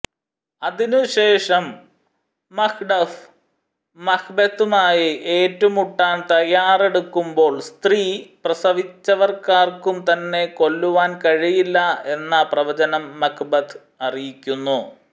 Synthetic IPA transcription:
ɐðinuɕe̞ːʂɐmː | ɐkʰɖɐf | mɐkbɐt̪ːumaːjiʔeːtːɐmuʈːaːnt̪ɐjaːre̞ɽukːumbo̞ːɭst̪riːprɐsɐʋit͡ɕːɐʋɐrkaːrkumt̪ɐnːe̞ko̞lːuʋaːnkɐɻijilːɐe̞nːɐprɐʋɐd͡ʑɐnɐmːɐkbɐd̪ | ɐrijikʲːunːu

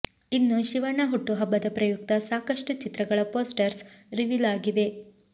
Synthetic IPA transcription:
inːuʃiʋɐɳːɐɦuʈːuɦɐbːɐd̪ɐpɾɐjuk̚t̪ɐsaːkɐʂʈut͡ʃit̪ɾɐɡɐɭɐpoːsʈɐɾsɾiʋilaːɡiʋe̞

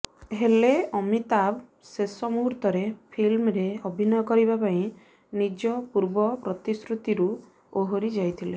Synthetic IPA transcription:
ɦeleɔmit̪ab | sesɔmuɦɾt̪ɔɾepʰilmɾeɔbʱinɔjɔkɔɾibapaĩ | nid͡ʒɔpuɾbɔpɾɔt̪iskɾut̪iɾu | oɦoɾid͡ʒajt̪ʰile

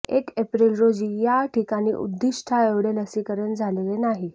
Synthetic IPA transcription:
ekepɾilɾod͡ʑiːjaʈʰikaɽ̃iːʔṵd̪ːiʂʈʰaeʋɽeləsikəɾəɳd͡zʱalelenaɦi

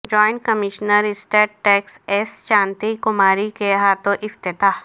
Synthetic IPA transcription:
d͡ʒɔːɪ̃ɳʈkɐmɪʃnəɾɪsʈeːʈʈːɛːksesʃãːnt̪ikʊmaːɾikeɦaːt̪õʔɪft̪ɪt̪aː

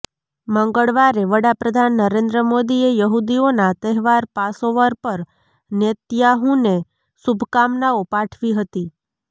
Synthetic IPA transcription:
məŋɡəɭʋaɾeʋəɽapɾəd̪ʱanːəɾẽnd̪ɾəmod̪iejəɦud̪ionat̪əɦɛʋaɾpasoʋaɾpəɾ | nət̪jaɦũne | subʱkamnaopaʈʰʋiɦət̪i

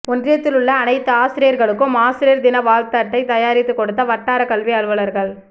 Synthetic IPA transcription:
ɔndrɪjɐt̪ːɪlɯɭːɐːnɐɪt̪ːɐaːsɪɾɪjɐɾɣɐɭɯkːɯmaːsɪɾɪjɐɾd̪ɪnɐʋaːlt̪aːʈːɐɪt̪ɐjaːɾɪt̪ːɯkːɔɽɯt̪ːɐʋɐʈːaːɾɐkɐlʋiɐɻɯʋɐɭɐɾɣɐɭ

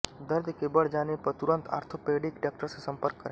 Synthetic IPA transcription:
d̪əɾd̪kebəɽd͡ʒaːnepɐɾt̪ʊɾə̃nt̪ʰa̰ːɾt̪ʰopeːɖɪkʈaːk̚ʈəɾsesɐ̃mpəɾkːəɾẽ

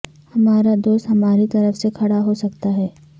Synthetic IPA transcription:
hɐmaːɾad̪oːst̪hɐmaːɾit̪ɐɾəfsekʰɐɽaɦosɐkt̪aɦɛː

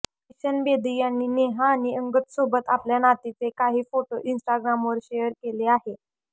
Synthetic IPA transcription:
iɕənbed̪iːjanːiːneɦaːñiəŋɡət̪sobət̪apljanat̪it͡sekaɦiːfoʈoʔinsʈaɡɾamʋəɾɕejəɾkeleaɦe

